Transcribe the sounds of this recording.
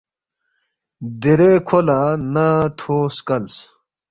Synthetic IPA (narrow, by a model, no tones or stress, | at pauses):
d̪iɾekʰolanat̪ʰoːskɐls